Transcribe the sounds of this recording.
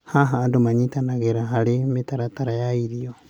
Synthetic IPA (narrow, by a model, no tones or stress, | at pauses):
haɦaːndomaɲitanaɣeɾaɦalɪmitaɾataɾajaiɾio